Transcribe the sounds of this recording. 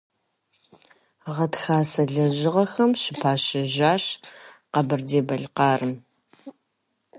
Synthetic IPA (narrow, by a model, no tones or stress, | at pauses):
ʁɐtxaːsɐɮɐʑɪʁɐxɐmɕɪpʰaːɕɐʒaːɕqɐbɨrdeːbɐɮqɑːrɨm